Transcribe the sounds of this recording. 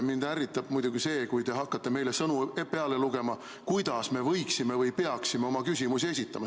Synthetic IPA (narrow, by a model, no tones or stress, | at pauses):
mind̪̥æɾit̪ːˑɑb̥mujd̪̥uɡ̥ise̞ːkujd̪e̞ɦɑkːɑt̪ːˑe̞me̞jlesɤnupe̞ɑle̞luɡ̥e̞mɑ | kujd̪̥ɑsme̞vɤjksime̞vɤjpeɑksime̞o̞mɑkys̬ʲimusie̞s̬ʲit̪ːˑɑmɑ